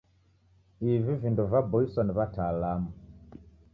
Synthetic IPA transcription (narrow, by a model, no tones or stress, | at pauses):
ivivinduvabɔisɔniβatalamu